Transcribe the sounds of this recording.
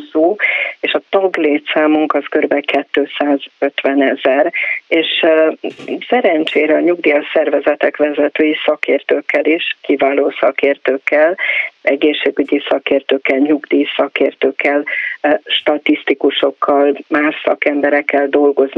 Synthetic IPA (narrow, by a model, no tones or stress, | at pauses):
zoːeːʃɒt̪ɒɡleːt̪saːmuŋkɒskøɾbɛkɛt̪ːøːsaːzø̞t̪ʋɛnɛzɛreːʃ | sɛɾɛnt͡ʃeːɾɛɒɲuɡd̪ijɒsɛrvɛzɛt̪ɛkʋɛzɛt̪øːjisɒkeːrt̪øːkːɛliʃkivaːloːsɒ̰keːrt̪øːkːɛlɛɡeːʃːeːɡyɟisɒkeːrt̪øːkːɛlɲuɡd̪iːsɒkeːrt̪øːkːɛlʃt̪ɒt̪ist̪ikuʃo̞kːɒlmaːʃsɒ̰kɛmbɛɾɛkːɛld̪o̞lɡo̞zn